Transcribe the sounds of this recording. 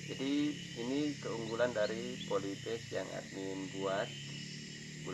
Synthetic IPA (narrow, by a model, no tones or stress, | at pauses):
d͡ʒadiː | nikəuŋɡulandaɾipolit̪ɪkja̰ŋa̰t̪̚ninbuat̪̚ | bul